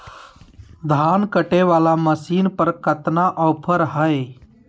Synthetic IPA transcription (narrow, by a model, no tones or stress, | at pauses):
d̪ʱaːnkəʈeʋaːlaməsiːnpəɾkət̪naʔɔːpʰəɾɦəj